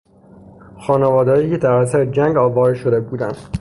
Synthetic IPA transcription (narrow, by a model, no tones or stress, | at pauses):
xɒːnevɒːd̪ɒːjiːcʰe̞d̪æɾæsæɾed͡ʒæŋɡɒːvɒːɾeʃod̪e̞buːd̪ænd̪